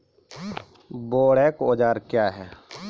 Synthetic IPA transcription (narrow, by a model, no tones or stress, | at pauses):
boːɽɛːkooːd͡ʒaːɾkjaːɦɛː